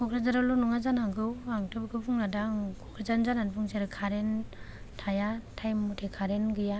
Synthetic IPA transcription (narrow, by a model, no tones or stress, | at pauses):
kʰɔkʰɾazaɾalɔnuŋazanaŋɡɯwaŋtɯbɡɯpʰuŋnadaŋkʰɔkʰɾazanzananpʰɯŋseaɾɯkʰaɾen | tʰajatʰajmːutʰekʰaɾenɡɯja